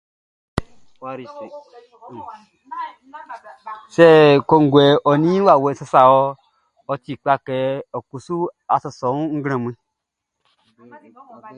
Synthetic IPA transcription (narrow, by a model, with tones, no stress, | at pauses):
wɾ | se˦˨ko˧ŋ˨ɡʷe˨ʔo˨nĩ˦wa˨we˧˦sa˧sa˨wo˧ | o˧t͡ʃi˨k͡pa˧ke˧o˨ku˨su˦a˨so˧so˨nu˦ŋ̩˦ɡẽ˨mĩ˧